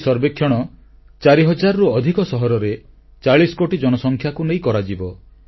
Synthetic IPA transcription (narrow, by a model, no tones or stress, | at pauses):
sɔɾbekʰjɔɽ̃ɔ | t͡ʃaɾiɦɔd͡ʒaɾɔɾuɔd̪ʱikɔsɔɦɔɾɔɾe | t͡ʃaɭisɔ̥koʈid͡ʒɔnɔsɔŋkʰjakunej̃kɔɾad͡ʒibɔ